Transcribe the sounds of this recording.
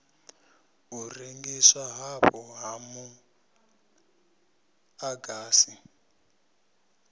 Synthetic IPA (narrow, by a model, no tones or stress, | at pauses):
ɦureŋɡiswaɦaβɔɦamu | aɡaːsi